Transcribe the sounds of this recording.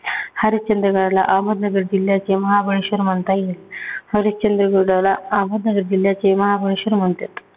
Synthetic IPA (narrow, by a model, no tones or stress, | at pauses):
haɾit͡ɕənd̪ɾəɡəɽala̰ʔaməd̪nəɡəɾd͡ʑiljat͡semɐɦabʱəɭeɕʋəɾməɳt̪ajelhaɾit͡ɕənd̪ɾəɡoɽalaaməd̪nɐɡəɾd͡ʑiljat͡semɐɦabʱəɭeɕʋəɾm̤əɳt̪at̪